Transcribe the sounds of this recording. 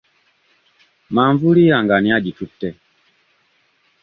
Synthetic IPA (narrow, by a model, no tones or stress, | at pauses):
maɱvuliaŋɡaniad͡ʒitutːɛ